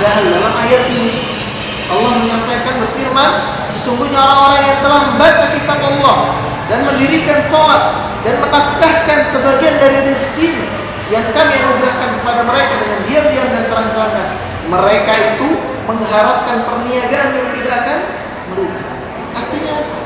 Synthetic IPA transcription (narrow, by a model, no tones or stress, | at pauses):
aandalamajat̪ini | ʔɑlːɔhməɲampajkanbərfirman | səsuŋɡuɲaoɾaŋoɾaŋjaŋt̪əlahməmbat͡ʃakit̪apɑlːɔh | danməndiɾikansolat̪̚ | danmənaft̪ahkansəbaɡiandaɾiadist̪iɲa | jaŋkamianuɡɾahkankəpadaməɾekadəŋandiabiaŋdant̪əɾaŋt̪ɾana | məɾekait̪u | məŋɦaɾap̚kanpərniaɡaʔːnjaŋt̪idaʔːkan | məɾuɡa | ʔart̪iɲa